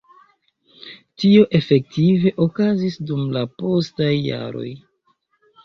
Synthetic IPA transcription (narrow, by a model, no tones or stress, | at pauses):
tio̞ʔe̞fe̞k̚tive̞ʔo̞kazisdumlapo̞stajːa̰ɾo̞̰j